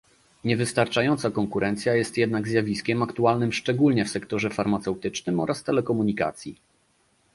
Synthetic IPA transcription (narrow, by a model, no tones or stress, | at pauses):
ɲɛvɘst̪aɾt͡ʂajɔnt̪sakɔŋkuɾʔɛnt̪sʲjajɛst̪jɛd̪naɡzjavʲiskʲɛmakt̪ualnɘmʂt͡ʂɛɡulɲɛfsɛkt̪ɔʐɛfaɾmat̪sɛwt̪ɘt͡ʂnɘmɔɾʔast̪ɛlɛkɔmuɲika̰t̪sʲjḭ